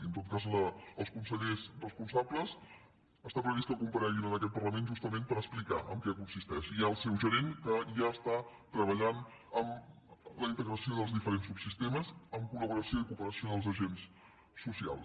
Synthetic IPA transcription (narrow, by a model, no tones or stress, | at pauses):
iənt̪ot̪̚kazləəlˠskunsəʎezrəspunsabləs | əst̪apɾəβist̪əkumpəɾɛʒinənəkɛt̪̚pəɾləmenʒust̪əmẽmpəɾəsplika̰ʔə̰ŋkɛkunsist̪ɛʃiaəlˠsɛwʒəɾeŋkəʒaəst̪a | t̪ɾəβəʎan | əm | ləint̪əɣɾəsioðəlˠzðifəɾensubsist̪eməzəmkuləβuɾəsioikupəɾəsioəlˠzəʒensː | usia̰lˠ